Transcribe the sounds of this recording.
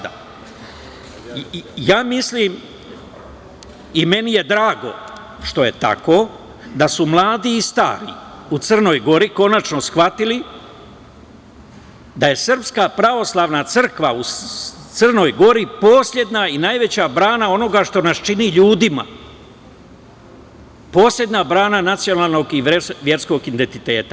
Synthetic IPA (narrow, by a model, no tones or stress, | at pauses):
a | jaːmislim | ime̞nije̞d̪ɾaːɡo̞̰ | ʃt̪o̞je̞t̪a̰ko̞ | d̪asumlˠaːd̪iːst̪a̰ːɾḭ | ut̪sərno̞jɡo̞ɾiko̞nat͡ʃno̞sxʋat̪ili | d̪aje̞sr̩pskapɾaʋo̞slˠaʋnat̪sɨr̩kʋaut̪sər̩no̞jɡo̞ɾipo̞ːsʎʲe̞d̪nainajʋe̞t͡ɕabɾaːnao̞no̞ɡaʃt̪o̞nast͡ʃiniʎuːd̪ima̰ | po̞ːslʲje̞d̪nabɾaːnanat̪sijo̞nalˠno̞ɡiʋje̞ɾsko̞ɡind̪ent̪it̪e̞ːt̪a